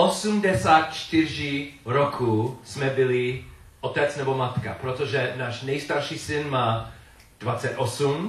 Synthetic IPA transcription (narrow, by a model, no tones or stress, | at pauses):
osumdɛsaːt̪̚t͡ʃt̪ɪr̝ɪɾokʰusmɛbɪlɪ | ʔot̪ɛt͡snɛbomat̪ka̰pɾot̪oʒɛnaːʃnɛjst̪aɾʃiːsɪnmaː | d̥vat͡sɛt̪osum